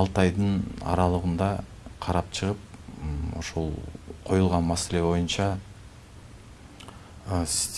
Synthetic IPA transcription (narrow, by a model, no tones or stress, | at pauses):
ɑlˠt̪ɑjd̪əɴɑ̰ɾɑlˠəʁənd̪ɑ | qʰɑɾɑpʃəʁəp̚ | o̰ʃo̞lˠqʰo̞jəlˠʁɑnmæse̞le̞bo̞jənʃɑ | əsi̥t̪ʲ